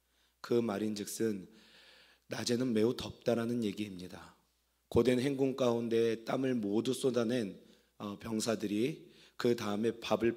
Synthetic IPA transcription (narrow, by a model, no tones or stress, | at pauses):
kɯmaɾind͡ʑɯk̚s͈ɯnː | ad͡ʑe̞nɯnme̞utʌp̚t͈aɾanɯnje̞ɡiːmɲida | kode̞nɦe̞ŋɡoŋk͈aunde̞t͈amɯɭmodus͈odane̞n | ʌpjʌŋsʰadɯɾi | kɯtaɯme̞pabɯɭ